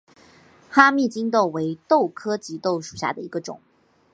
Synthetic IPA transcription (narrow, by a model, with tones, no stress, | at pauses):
xa˥mi˥˩t͡ɕi˥ŋt̪o˥˩ʊwe˧˥ɪt̪o˥˩ʊkʰɤ˥t͡ɕi˧˥t̪o˥˩ʊʂu˨˩ɕja̰˥˩d̪ə˩i˧˥ɡə˧ʈ͡ʂʊ̰˨˩˦